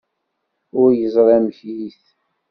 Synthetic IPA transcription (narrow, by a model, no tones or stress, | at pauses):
ʊɾjəzˤɾˤæmçiθ